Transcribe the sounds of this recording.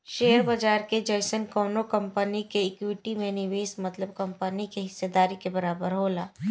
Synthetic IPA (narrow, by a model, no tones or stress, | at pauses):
ʃeːəɾbɐd͡ʒaːɾked͡ʒɐjsənkɔːnokɐ̃mpənikeekwɪʈimẽnɪʋeːsmɐt̪ləbkɐ̃mpənikeɦɪsːed̪aːɾikebɐɾaːbəɾɦoːlaː